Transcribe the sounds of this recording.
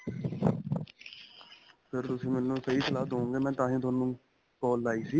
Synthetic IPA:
pʰɪɾt̪ʊsĩːmɛːnːũːsɛiːslaːd̪ɦõːɡeːmɛ̃ːt̪ãːɦĩːt̪ʊaːnːũː | kɔːlːaːiːsiː

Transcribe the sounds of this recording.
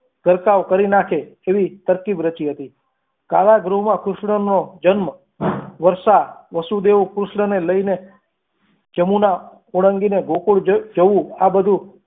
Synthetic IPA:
ɡ̥əɾkaʋkəɾinakʰeːʋit̪əɾkibɾət͡ʃiɦət̪i | ka̰laɡɾomãkɾʊʃɳənod͡ʒənm | ʋəɾʃaʋəsud̪eʋukɾʊʃɳəneləine | d͡ʒəmuna | oɽ̃əŋɡineɡʱokuɽd͡ʒəʋũabəd̪ʱũ

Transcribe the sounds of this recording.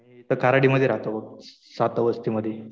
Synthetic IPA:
it̪əkaɾaɽiməd̪ʱjeɾaɦt̪obək̚ | sat̪əʋəst̪iməd̪ʱːje

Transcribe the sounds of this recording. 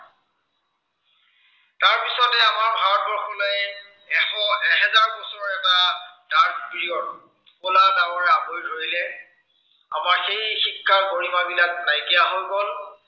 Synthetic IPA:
taɹpisɔtɛamaɹbʱaɹɔt̚bɔɹxʰɔlɔj | ɛxɔɛɦɛzaɹbɔsɔɹɔɹɛtadaɹkpɹijɔt | kʊladawɔɹɛabojɹojilɛ | a̰maɹxejxikːaɹkoɹimabilak̚najkɛjaɦojbɔl

